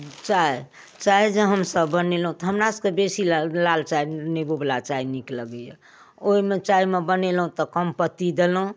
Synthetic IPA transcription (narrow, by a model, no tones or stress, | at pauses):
t͡ʃae | t͡ʃaejd͡ʒeɦəmsəbːənelɦũt̪ɔɦəmɾasə̥kebesillalt͡ʃaineboblat͡ʃainikləɡəjə | oimet͡ʃaimebənelɦũt̪ɔkəmpət̪id̪elɦũ